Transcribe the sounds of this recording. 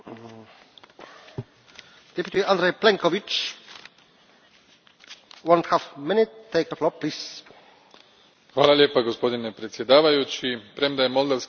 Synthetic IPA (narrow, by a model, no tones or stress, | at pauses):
d̥̪ɛpʲjut̪iãnd̪ɾejplẽŋkovit͡ʃ | wõnt̪hafmɪnɪt̪t̪ːejkəflɔplis | xʋaːlaljeːpaɡospo̞d̪inepɾet̪sʲjed̪aːʋajut͡ɕipɾemd̪ajemolˠd̪aʋs